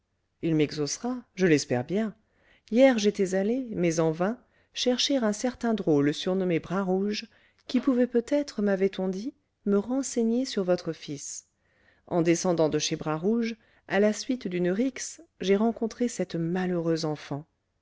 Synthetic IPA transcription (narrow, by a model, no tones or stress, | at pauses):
ilmɛɡzosʁaʒəlɛspɛ̰ʁbjɛ̃ | jɛʁʒet̪ɛzalemɛzɑ̃vɛ̃ | ʃɛʁʃeʁɛ̃sɛʁt̪ɛ̃d̪ʁoləsyʁnɔmebʁaʁuʒ | kʲipuvɛpøt̪ɛt̪χəmavɛt̪ɔ̃d̪i | məʁɑ̃seɲesyʁvɔt̪χəfis | ɑ̃d̪esɑ̃d̪ɑ̃d̪əʃebʁaʁuʒ | alasɥit̪d̪ynʁiksʒeʁɑ̃kɔ̃t̪χesɛt̪maløʁøzɑ̃fɑ̃